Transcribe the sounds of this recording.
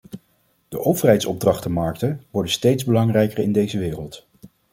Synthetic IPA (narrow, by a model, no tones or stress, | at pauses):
d̥əʔowvərɦɛjtsɔb̚drɑχtəmɑɹktənʋɔɹdəstejdzbəlɑŋrɛjkərɪ̰ndejzəʋɪːrəlˠt